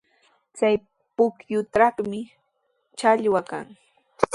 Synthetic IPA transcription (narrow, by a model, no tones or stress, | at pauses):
t͡saj | pʊkjʊt̪ɑχmɪ | t͡ʃaʎwaka̰ŋ